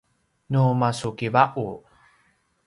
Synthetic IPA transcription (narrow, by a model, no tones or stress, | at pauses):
numasukivaʔu